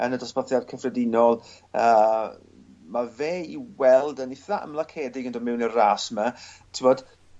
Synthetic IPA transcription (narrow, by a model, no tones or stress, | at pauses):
ənədɔspɔθjad̚kʰəfrɛdɪnɔlˠ | əː | maveːiwɛlˠdənɪθaʔə̰mlˠakʰɛːdɪɡəndɔmɪwnəraːsmatʰɪmɔd̥